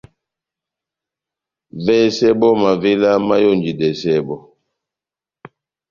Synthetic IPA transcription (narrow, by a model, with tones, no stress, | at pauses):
vɛ˦sɛ˦bɔ˦ma˨ve˦la˦ma˦jo˦˨nd͡ʒi˨dɛ˨sɛ˦bɔ˦